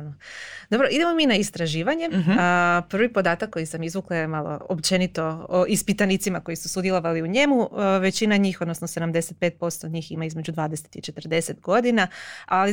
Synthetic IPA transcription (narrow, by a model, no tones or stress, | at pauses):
nod̪o̞bɾoʔid̪emo̞minaist̪ɾaʒiːʋaɲe̞ | pr̩ʋipo̞d̪aːt̪akːo̞jisamizʋuklˠaje̞malo̰opt͡ʃe̞nit̪o̞oʔispit̪anit̪simako̞jisusud̪jelˠo̞ʋaliuɲe̞muʋe̞t͡ɕinaɲiːxo̞d̪nosnose̞d̪amd̪e̞set̪̚peːt̪̚po̞st̪oɲiːximaizme̞d͡ʑud̪ʋaːd̪ese̥t̪it͡ʃe̞t̪r̩d̪e̞se̞t̪ɡo̞d̪inaali